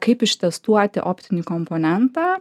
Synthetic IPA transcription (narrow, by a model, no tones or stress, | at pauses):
kɐɪpɪʃt̪ʲɛst̪uɔt̪ʲɪ̰ʔoːpʲt̪ʲɪnʲikompoːnʲɛnt̪ɑː